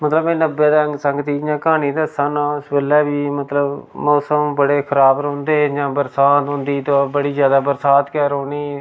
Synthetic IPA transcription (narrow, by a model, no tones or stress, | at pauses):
mət̪ləbɛ̃ːnəbeːd̪ːəŋɡsəŋɡt̪iːd͡ʒãːkãːniːd̪əsãːnãːʊsbeːlɛːbiːmət̪ləbmɔːsəmbəɽeːkʰəɾaːbɾõːnd̪eːd͡ʒãːbəɾsaːt̪ɦʊ̃ːnd̪iːt̪õːbəɽiːzjaːd̪aːbəɾsaːt̪kɛːɾɦoːniː